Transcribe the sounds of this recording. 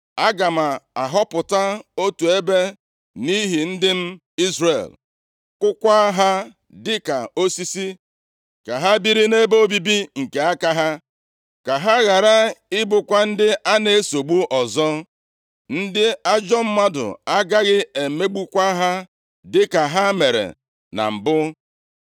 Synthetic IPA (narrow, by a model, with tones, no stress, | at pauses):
a˦ɡa˨ma˨a˨ɦɔ˦pʊ˨ta˦o˦tu˨e˦be˦ | ni˦ɦi˨n̩˦dɪ˦m̩˦ | i˦zrḛ˨l | kʷʊ˦kʷa˦ɦa˦ | dɪ˦ka˨o˦si˦si˦ | ka˨ɦa˦bi˦ɾi˦ne˦bo˦bi˦bi˦ŋ̩˨ke˨a˦ka˦ɦa˦ | ka˨ɦa˦ɣa˨ɾa˦ɪ˦bʊ˨kʷa˦n̩˦dɪ˦ʔa˦ne˨˦so˨ɡ͡bu˦ʔɔ˨zɔ˦ | n̩˦dɪ˦a˦d͡ʒɔ˦m̩˦ma˦dʊ̰˨a˦ɡa˦ɣɪ˦e˨me˦ɡ͡bu˦kʷa˦ɦa˦ | dɪ˦ka˨ɦa˦me˨ɾḛ˨ | na̰˨m̩˨bʊ˦